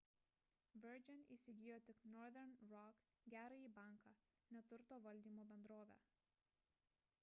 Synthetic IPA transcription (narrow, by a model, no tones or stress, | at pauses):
ʋʲɛɾʲd͡ʒʲɛnʲḭːˑsʲɪɡʲɪjoːt̪ʲɪknɔɾðʲɛɾnɾɔk | ɡʲæːɾɐiːbɑˑŋkɑ | nʲɛt̪ʊɾt̪oːʋɐlʲd̪ʲiːmoːbʲɛnd̪ɾoːʋʲæ̰ː